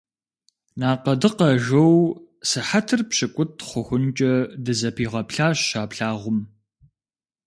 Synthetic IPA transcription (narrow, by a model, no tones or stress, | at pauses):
naːqɐdɨqɐʒɐw | sɨħatʰɨrpɕɪkʷʼʊtʰχʷʊxʷʊnt͡ʃʼɐdɨzɐpʰiːʁɐpɬaːɕɕaːpɬaːʁʷʊm